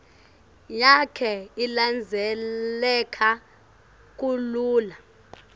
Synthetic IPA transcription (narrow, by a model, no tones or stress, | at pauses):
jakʰɛiland͡zʱɛɛkʰa | k̬ʼuluːla